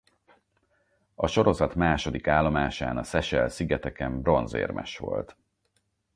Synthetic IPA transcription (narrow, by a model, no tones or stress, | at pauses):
ɒʃo̞ɾo̞zɒt̪maːʃo̞d̪ikaːlːo̞maːʃa̰ːnɒsɛʃɛlsiɡɛt̪ɛkɛmbro̞nzḛːrmʔɛ̰ʃʋo̞̰lt̪